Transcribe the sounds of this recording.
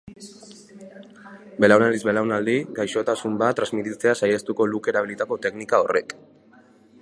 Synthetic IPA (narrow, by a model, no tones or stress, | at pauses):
be̞lawnald̪izbe̞lawnald̪iɡajʃo̞t̪asumbat̪ːɾazmit̪it͡se̞asajast̪uko̞luke̞ɾaβ̞ilit̪ako̞t̪e̞knikao̞re̞k